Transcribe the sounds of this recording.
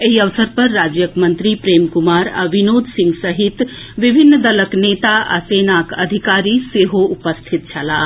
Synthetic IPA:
eɦiəʋsəɾpɐɾːaːd͡ʒjəkmɐ̃nt̪ɾipɾeːmkumaːɾa̰ʋinoːd̪ʱsɪ̃ŋɡsɐɦit̪ | ʋibʱinːd̪ɐləknet̪aʔa̰seːnakəd̪ʱikaːɾiseɦoʔupəst̪ʰit̪̚t͡ʃʰala

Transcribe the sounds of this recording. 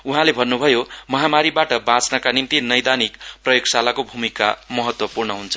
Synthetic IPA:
uɦãlebʱʌnːubʱʌjomʌɦamaɾibaʈʌbãt͡snʌkanimt̪inʌjd̪anikprʌjoɡsalakobʱumika̰mʌɦʌt̪wʌpurnʌɦunt͡sʰʌ̥

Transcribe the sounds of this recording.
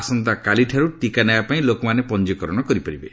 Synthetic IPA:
sɔnt̪akaliʈʰaɾuʈikanajapaĩlokɔmanepɔnd͡ʒɔkɔɾɔɽ̃ɔkɔɾipɔɾibe

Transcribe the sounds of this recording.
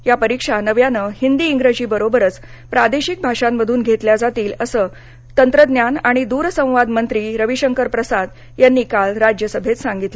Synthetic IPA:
japəɾikʂanəʋjanəhind̪iːŋɡɾəd͡ʑiːbəɾobəɾət͡s | pɾad̪eɕik̚bʱaʂamːəd̪ʱuːnɡʱet̪ljad͡zat̪iːləsəː | t̪ənt̪ɾəd̪njanaɽ̃id̪uːɾsə̃w̃ʋad̪mənt̪ɾiːɾəʋiɕəŋkəɾpɾəsad̪ | janːiːkalɾad͡ʑjəsəbʱet͡s̪sãŋɡit̪lə

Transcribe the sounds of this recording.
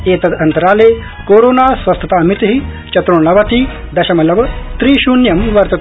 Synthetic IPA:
eːt̪ɐd̪ɐnt̪ɐɾaːleː | koːɾoːnaːsʋɐst̪ʰɐt̪aːɐmit̪ɦi | t͡ʃɐt̪ɾuɳlɐʋɐt̪i | d̪ɐʃɐmɐlɐʋɐt̪ɾiːʃuːnjɐmʋɐɾt̪ɐt̪

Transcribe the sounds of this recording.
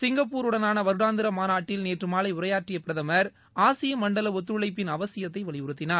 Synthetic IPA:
sɪŋɡɐpːuːɾɯɽɐnaːnɐʋɐɾɯɽaːnd̪ɪɾɐmaːnaːʈːɪlneːʈrɯmaːlɐɪʊɾɐjaːʈrɪjɐpɪɾɐðɐmɐɾ | aːsɪjɐmɐɳɖɐlɐʋɔt̪̬ːɾɯɭɐɪpːɪnɐʋɐsɪjɐt̪̬ːɐɪʋɐɭɪjʋɯɾɯt̪ːɪnaːɾ

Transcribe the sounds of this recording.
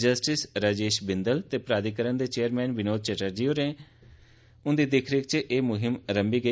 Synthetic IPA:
d͡ʒəsʈɪsɾad͡ʒeːʃbɪnd̪əlt̪eːpɾaːd̪iːkəɾənd̪eːt͡ʃeːəɾmɛ̃ːnʋɪnoːd̪̚t͡ʃɛʈəɾd͡ʒiːoɾẽː | ʊ̃nd̪iːd̪ɪkʰɾɪk̚t͡ʃʔeːmʊɦɪmɾəmbiːɡə

